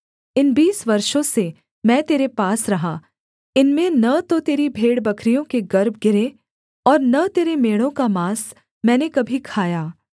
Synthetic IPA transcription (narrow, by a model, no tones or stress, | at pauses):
ɪnbiːsʋɐɾʃõse | mɛ̃ːt̪eːɾepaːsɾɐɦaː | ɪnmẽnɐt̪ot̪eːɾibʱeːɽbɐkʰɾijõkeɡɐɾb̚ʱɡɪɾe | ɔːɾnɐt̪eːɾemeːɽ̃õkamaːs | mɛ̃ːnekɐbʱikʰaːjaː